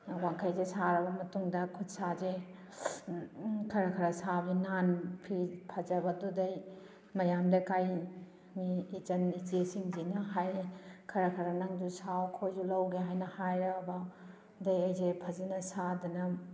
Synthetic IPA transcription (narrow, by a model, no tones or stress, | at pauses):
waŋkʰɐjzesaɾɐbɐmɐtuŋdɐkʰut̚saze | kʰɐɾɐkʰɐɾɐsabinanpʰipʰɐzɐbɐdudɐj | mɐjamdɐkaj | miːt͡ʃɐnid͡ʒesiŋzinɐɦajkʰɐɾɐkʰɐɾɐnɐŋd͡ʒusawkʰojd͡ʒulɐwɡeɦajnɐhajɾɐbɐ | dɐjɐjzepʰɐzɐnɐsadunɐ